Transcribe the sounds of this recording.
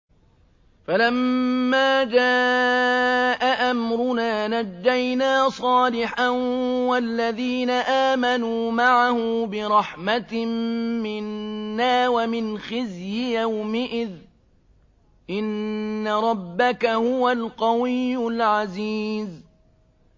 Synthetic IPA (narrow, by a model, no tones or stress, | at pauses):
falamːaːd͡ʒaː | ʔaʔamɾʊnaːnad̪ːajnaːsˤɑːlɪħanwalːaðiːnaʔaːmanuːmaʕahʊːbɪɾˤɑħmat̪mːɪnːaːwamɪnxɪzjɪjawmɪʔɪð | ʔɪnːaɾˤɑbːakahʊwalqɑwɪjːʊlʕaziːz